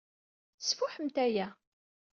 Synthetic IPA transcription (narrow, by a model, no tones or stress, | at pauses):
θəsfʊħəmt̪æjæ